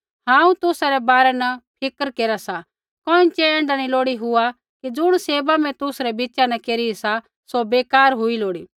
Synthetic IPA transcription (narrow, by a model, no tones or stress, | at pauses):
hãːũt̪ʊsaɾɛbaːɾɛnɐpʰɪkəɾkeːɾasa | kɔːĩt͡ʃeɛ̃ːɳɖaɽ̃iloːɽiɦʊa | kid͡zʊɽ̃seːbamɛ̃t̪ʊsɾɛbit͡ʃanɐkeːɾiisa | sobeːkaːɾɦʊiloːɽiː